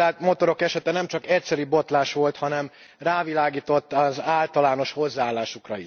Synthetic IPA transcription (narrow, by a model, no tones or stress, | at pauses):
aːt̪mo̞t̪o̞ɾo̞kɛʃɛt̪ɛnɛmt͡ʃɒkɛcsɛɾybo̞t̪laːʃʋo̞lt̪hɒnɛm | raːvilaːɡiːt̪o̞t̪ːɒzaːlt̪ɒlaːno̞ʃho̞zːaːlːaːʃukrɒḭ